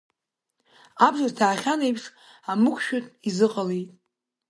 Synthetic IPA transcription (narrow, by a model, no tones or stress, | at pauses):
abzartʰaːχʲanejpʰʂ | amɨkʷʰʃᶣʊtʼizɨqʼalijtʼ